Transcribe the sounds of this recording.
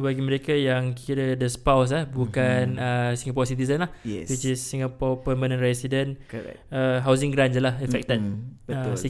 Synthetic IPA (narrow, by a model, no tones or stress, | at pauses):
baɡiməɾekajaŋkʰiɾədəspaws̬ahbukanəsĩŋɡapɔsit̪izənlahɛ̰wit͡ʃisːiŋapɔpəmbənə̃nɾɛsidənɛ̰əɦaws̬ĩŋɡɾanəlahɛfɛk̚t̪əd̚əi